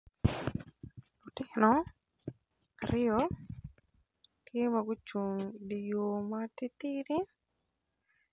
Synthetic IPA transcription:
ʊ˨tɪnɔ | aɾɪɔ | tje˦maɡʊ˦t͡ʃu˨ŋdi˨jo˨mati˦tiɾi˦

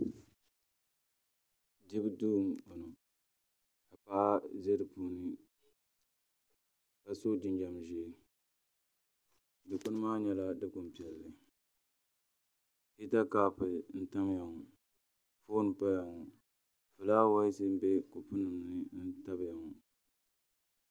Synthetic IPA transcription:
di˦bɨ˦duː˦mo˨nʊ˨ | ka˨paː˦ʔze˦ɾɨ˨puː˦nɨ˦ | ka˨so˦d͡ʒɪ˦nd͡ʒa˨m˨ʒi˦ | dɨ˨kʊ˦nɨ˦maː˦ɲɛ˦la˦dɨ˦kʊ˨m˨pi˨ɛ˨lːɨ˨ | pi˦ta˦kaː˨pɨ˨n̩˦ta˦m˦ja˨ŋɔ˨ | fo˦nɨ˨pa˦ja˨ŋɔ˨ | fɨ˨laː˦wa˦sɨ˦m̩˦bɛ˦ko˨pu˦nɨ˨m˨nɨ˦n̩˦ta˦bja˨ŋɔ˨

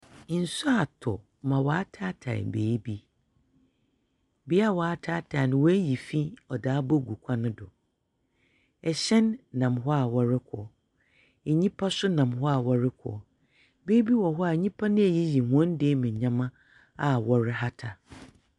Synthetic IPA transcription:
n̩˨sʊ˦a˨tʰʊ˨ | mã˨wa˨˦tʰa˦tʰa̰˨ɪ̰˨beː˨˦bi˦ | bi˦a˦˨wa˨a˦tʰaː˦tʰa˨nʊ̃˨wɔ˦æ˦ji˨fi˦ɔ˨daː˨˦bɔ˦ɡu˨kʷʰa˦nʊ̃˦dʊ̰˨ | ɛ˨ɕɛ̃˦nːã˨mɦɔ˦a˨wɔ˦ɾɪ˦kʰɔ̰˨ | ɛ˨ɲĩ˦pʰa˦sʊ˦nã˨mɦɔ˦a˨wɔ˦ɾɪ˦kʰɔ̰˨ | beː˦bi˦wɔ˨ɦɔ˦a˨ɲĩ˦pʰa˦nɪ̃˦æ˨ji˦ji˨hɔ̃˦n˦deː˦mɪ̃˨ɲã˦mã˦ | a˨wɔ˦ɾɪ˦ɦa˦tʰa˨

